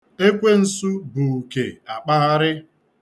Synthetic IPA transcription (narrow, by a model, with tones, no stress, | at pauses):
e˦kʷe˦n̩˨su˦bʊ˨ke˨a˨k͡pa˦a˦ɾɪ˦